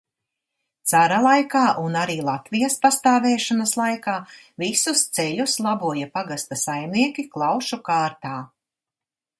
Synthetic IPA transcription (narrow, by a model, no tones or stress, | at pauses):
t̪saɾalˠajkaːʔunaɾiːlˠat̪vijɐspast̪aːvɛːʃanɐslˠajkaː | visust̪sɛʎʲuslˠabuɔjapaɡast̪asajmniɛkʲiklˠawʃukaːɾt̪aː